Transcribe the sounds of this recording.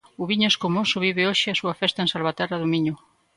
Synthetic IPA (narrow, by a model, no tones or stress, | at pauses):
uβiɲoeskomosʊβiβɪoʃɪasuɐfɛst̪aẽnsalβat̪ɛraðomiɲʊ